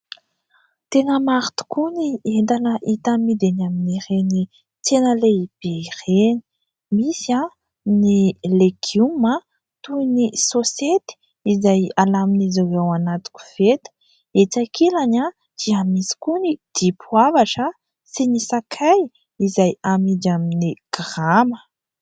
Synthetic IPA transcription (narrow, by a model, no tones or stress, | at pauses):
t̪enəmaɾit̪u̥kunient̪anəʔit̪amid̪enaminiɾeni | t̪enəleib̥ereni̥ | misia | nileɡumə | t̪unisoset̪i̥ | izajalaminizawewanat̪u̥kʲu̥v̥et̪ə̥ | et͡sakʰilaɲa | d͡ʒ̥iamisi̥kunid̪̥ipʰwavaʈ͡ʂə | sinisakʰaj | izajamid͡ʒaminiɡ̥ramə̥